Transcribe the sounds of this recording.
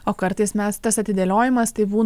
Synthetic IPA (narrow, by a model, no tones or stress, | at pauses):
oːkɐɾt̪ɐɪsmʲɛst̪ɐsɐt̪ʲɪd̪ʲelʲoːjɪmɐst̪ɐɪbuː